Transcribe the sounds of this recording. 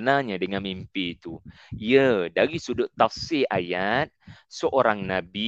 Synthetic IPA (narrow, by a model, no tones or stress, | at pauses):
ənaɲadəŋanmimpiːt̪u | iədaɾisudʊʔt̪ːafsilʔajat̪̚səʔoɾaŋnãbi